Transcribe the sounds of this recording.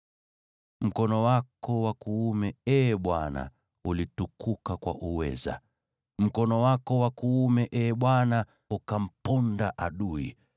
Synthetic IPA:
m̩kɔnɔwakɔwakuumɛɛɓwana̰ | ulitukukakwa̰ʔuwɛ̰za̰ | m̩kɔnɔwakɔwakuumɛʔɛɓwana | ukam̩pɔndaʔaɗuḭ

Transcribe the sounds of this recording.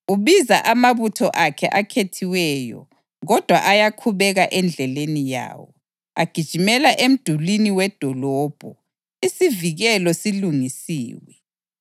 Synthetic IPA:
uβizaʔamaβutʰɔʔakʰɛʔakʰetʰiwɛjɔ̰ | ɣɔd̥ʱwa̰ʔajakʰuβɛɣaʔɛnd͡ɮʱɛlenija̰ːwɔ | aɡ̥ʱid̥ʒ̥ʱimɛlaʔem̩d̥ʱuliniwɛd̥ʱɔlɔːb̥ʱɔ | isiviɣɛlɔsiluŋisḭːwɛ

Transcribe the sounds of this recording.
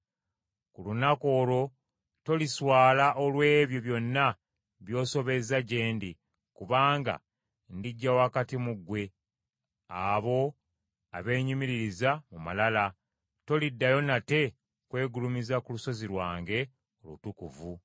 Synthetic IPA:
kulunako̞ːlo̞ | to̞liswaːlaʔolwe̞ːβjo̞βjo̞nːa | βjo̞ːso̞βe̞zaɟe̞ːndi | kuβaːŋɡa̰ | ndiɟːawakatimuɡwe̞ | aβo̞ | aβe̞ːɲimiɾiɾizamuma̰lala | to̞lidːajo̞nate̞ | kwe̞ːɡulumizakuluso̞ziɾwaːŋɡe̞ | o̞lṵtukuvu

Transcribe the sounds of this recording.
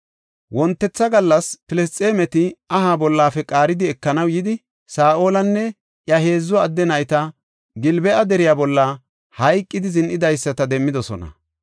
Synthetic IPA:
wɔnt̪ːɛt͡sːɐɡɐlːɐspɪlɛst̪ʼe̞ːmɛt̪ɪɐɦaːbɔlːaːfɛkʼaːɾɪd̪ɪɛkːɐnɐwjɪd̪ɪ | saːʔo̞ːlɐnːɛ | ʔjɐɦe̞ːzːɔɐd̪ːɛnɐjt̪ɐ | ɡɪlbɛʔɐd̪ɛɾɪjaːbɔlːɐ | hɐjkʼːɪd̪ɪzɪnʔɪd̪ɐjsːɐt̪ɐd̪ɛmːɪd̪ɔsɔ̰nɐ̰

